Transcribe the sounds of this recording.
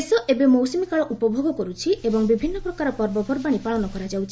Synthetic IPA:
sɔʔebemɔwsimikaɭɔʔupɔbʱoɡɔkɔɾut͡ʃʰiebɔŋbibʱinːɔpɾɔkaɾɔpɔɾbɔbʱɔɾbaɽ̃ipaɭɔnɔkɔɾad͡ʒawt͡ʃʰi

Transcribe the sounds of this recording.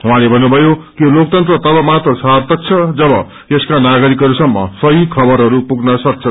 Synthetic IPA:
ɦũwãlebʱʌnːubʱʌjokilok̚t̪ʌnt̪rʌt̪ʌbʌmat̪rʌsabt̪ʌk̚t͡sʰʌd͡zʌbʌ | jeskanaɡʌɾikɦʌɾusʌmːʌsʌɦikʰʌbʌɾɦʌɾupuɡnʌsʌk̚t͡sʰʌ

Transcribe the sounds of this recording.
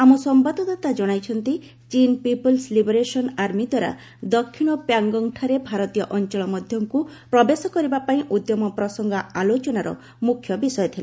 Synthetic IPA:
amɔsɔmpad̪ɔt̪at̪ad͡ʒɔɽ̃ajt͡ʃʰɔnt̪i | t͡ʃinpipɔlslibɔɾesɔnaɾmid̪waɾa̰ | d̪ɔkʰːiɽ̃ɔpjaŋɡɔŋʈʰaɾebʱaɾɔt̪ijɔʔɔnt͡ʃɔɭɔmɔd̪ʱjɔŋkupɾɔbesɔkɔɾibapaĩʔud̪jɔmɔpɾɔsɔŋɡɔalot͡ʃɔnaɾɔ̰ | mukʰːjɔbisɔjɔt̪ʰile

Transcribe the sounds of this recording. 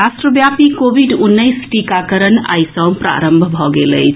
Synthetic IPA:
asʈɾəbjapikobʱiɖunːəjsʈikakəɾəna̰jsə̃wpɾa̰ɾəmbʱbʱɔɡelə̰jt͡ʃʰ

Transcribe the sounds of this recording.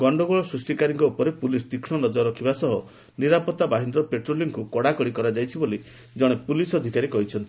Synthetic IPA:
ɡɔɳɖɔɡɔɭɔsɾusʈikaɾiŋkɔupɔɾepulisd̪ikʰɽɔnɔd͡ʒɔɾɔkʰibasɔɦɔ | niɾapɔt̪ːabaɦind̪ɾɔpeʈɾoliŋkukɔɽakɔɽikɔɾad͡ʒajt͡ʃʰiboli | d͡ʒɔɽ̃epulisɔd̪ʱikaɾikɔɦit͡ʃʰɔnt̪i

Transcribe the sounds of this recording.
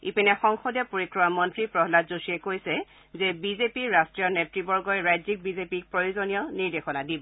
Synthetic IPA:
ipinɛxɔŋxɔdjɔpoɹikɹɔmamɔntɹipɹɔɦlazusiɛkojsɛ | zɛbizepiɹastɹijɔnetɹibɔɹɡɔjɛɹajzik̚bizepik̚pɹojozonijɔniɹdexɔnadibɔ

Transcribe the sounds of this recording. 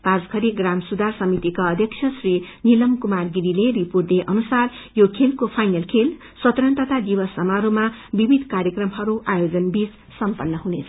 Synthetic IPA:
pasɡʱʌɾiɡramsud̪arsʌmit̪ikaʌd̪ʱjʌk̚t͡sʰjʌsrinilʌmkumarɡiɾileɾipurd̪eʔʌnusarjokʰelkopʰajnʌlkʰel | sʌt̪rʌnt̪ʌt̪ad̪ibʌsʌmaɾumabibʱid̪ʱkaɾjekrʌmɦʌɾuʔajod͡zʌnbid͡z | sʌmpʌnːʌɦunet͡sʰʌ

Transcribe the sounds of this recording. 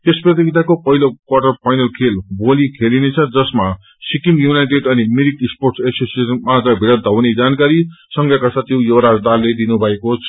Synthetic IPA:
t̪esprʌt̪iɡit̪akopʌɦilokwaʈʌrpʰajnʌlkʰelbolikʰelinet͡sʰʌd͡zʌsma | sikimjunajʈeɖʌnimiɾikisporʈseksesirmad͡zʌ̃bʱiɽʌd̪ʱʌwned͡zankaɾisʌŋɡjakasat̪ʰjowjʌwɾad͡zd̪arled̪inubʱʌekot͡sʰʌ

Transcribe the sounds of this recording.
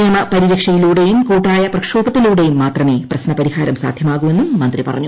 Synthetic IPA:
jɐmɐpɐɾiɾɐkʂɐjiluːɽe̞jumkuːʈːaːjɐprɐkʂoːbɐt̪ːiluːɽe̞jumːaːt̪rɐme̞ːprɐɕnɐpɐɾihaːɾɐmsa̰ːd̪ʱjɐmaːɣume̞nːumːɐnd̪ripɐ̰rɐ̰ɲːu

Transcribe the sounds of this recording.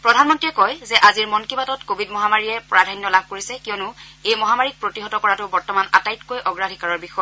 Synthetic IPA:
pɹɔdʱanmɔntɹijɛkɔjzɛʔaziɹmɔnkibatɔtkobʱidmɔɦamaɹijɛpɔɹadʱajnjɔlab̚ʱkoɹisɛkijɔnʊejmɔɦamaɹik̚pɹotiɦɔtɔkɔɹatʊbɔɹtɔmana̰tajtkojʔɔɡɹadʱikaɹɔɹbixɔjɔ

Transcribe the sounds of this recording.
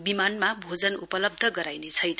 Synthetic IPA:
bimanmabʱod͡zʌnupʌlʌb̚d̪ʱʌɡʌɾajnet͡sʰʌjnʌ

